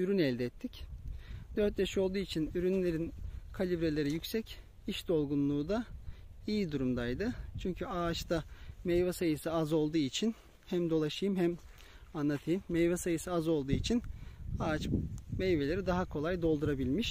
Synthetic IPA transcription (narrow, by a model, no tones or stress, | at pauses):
yɾynɛlʲd̪ɛɛt̪ʰːic | d̪øɾt̪̚jaʃio̞lˠd̪uːit͡ʃʰinyɾynlʲe̞ɾinkʰalʲibɾe̞lʲe̞ɾijycʲsɛc | iʃd̪o̞lˠɡunlˠuːd̪a | ijid̪uɾumd̪ajd̪ɯt͡ʃʰyɲcʰyaːt͡ʃt̪amɛjvasajɯsɯazo̞lˠd̪uːit͡ʃʰin | hæmd̪o̞lˠaʃɯjɯmɦɛm | anːˠat̪ʰɯjɯmːejvɛsajɯsɯazo̞lˠd̪uːit͡ʃʰinaat͡ʃmɛjve̞lʲe̞ɾid̪aɦakʰo̞lˠajd̪o̞lˠd̪uɾabilʲmiʃ